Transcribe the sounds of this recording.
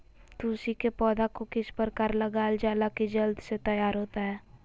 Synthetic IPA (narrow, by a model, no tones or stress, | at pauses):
t̪uːsikepɔːd̪akokɪspəɾkaːɾləɡaːld͡ʒaːlakid͡ʒəld̪set̪ɐjaːɾɦoːt̪aɦɛː